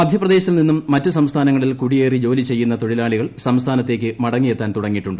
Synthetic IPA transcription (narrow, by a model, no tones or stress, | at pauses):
mɐd̪ʱjɐprɐd̪eːɕɐt̪ilninːumːɐtːɨsɐmst̪ʰaːnɐŋːɐɭilkuɽije̞ːrid͡ʑo̞ːlit͡ɕe̞jːunːɐt̪o̞ɻilaːɭiɣɐɭsɐmst̪ʰaːnɐt̪ːe̞ːk̬ʲːɨmɐɽɐŋːijet̪ːaːnt̪uɽɐŋːiʈːuɳɖɨ